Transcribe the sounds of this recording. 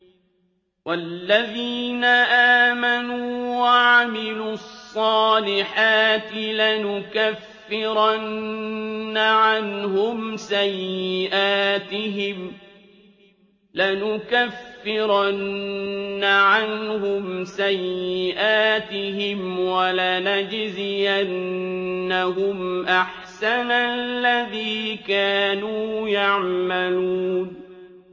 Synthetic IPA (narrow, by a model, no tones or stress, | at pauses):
walːaðiːnaʔaːmanuːwaʕamɪluːɑsˤːɑːlɪħaːt̪ɪlanʊkafːɪɾanː | aʕanhʊmsajːɪʔaːt̪ɪɦɪm | lanʊkafːɪɾnː | aʕanhʊmsajːɪʔaːt̪ɪɦɪmwalanad͡ʒzɪjʔanː | aɦʊmʔaħ | sanallːaðiːkaːnujaʕmaluːn